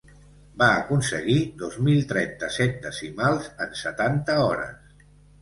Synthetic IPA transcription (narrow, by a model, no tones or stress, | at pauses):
baəkunsəɣid̪ɔzmilˠt̪ɾɛnt̪əsɛt̪̚d̪əsimalˠzənsət̪ant̪əɔɾə̰s